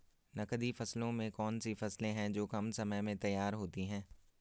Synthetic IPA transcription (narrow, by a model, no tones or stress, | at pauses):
nɐkd̪ifɐslõmẽkɔːnsifɐslẽɦɛ̃d͡ʒoːkɐmsɐməjmẽt̪ɐjːaːɾɦoːt̪iɦɛ̃ː